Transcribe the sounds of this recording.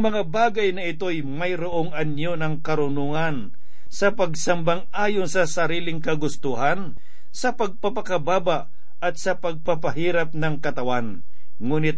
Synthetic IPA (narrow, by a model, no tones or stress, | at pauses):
ʔaŋmɐŋabaːɡɐjnɐɪt̪o̞jmɐjɾʊʔoŋɐnjonɐŋkɐɾʊnʊŋan | sɐpɐɡsambaŋʔaːjʊnsɐsɐɾiːlɪŋkɐɡʊst̪uɦan | sɐpɐɡ̚pɐpɐkɐbaːbaʔ | ʔɐt̪̚sɐpɐɡ̚pɐpɐɦiːɾap̚nɐŋkɐt̪ɐwan | ŋuːnɪt̪̚